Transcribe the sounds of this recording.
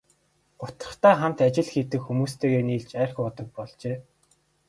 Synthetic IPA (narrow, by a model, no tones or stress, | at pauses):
ɢʊt̪ə̥̆χt̪aːχam̥t̪at͡ɕɪ̆ɮxit̪ɘ̆kxumuːst̪ʰeːɣeːniːɮt͡ɕæːrxʊt̪ɞ̆k̚pɔɮt͡ɕeː